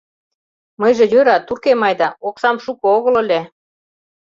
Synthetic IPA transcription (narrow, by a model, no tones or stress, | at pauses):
mɤjʒĕjøɾɑt̪urkemɑjd̪ɑoksɑmʃukɤ̆oɣə̆lɤ̆lʲe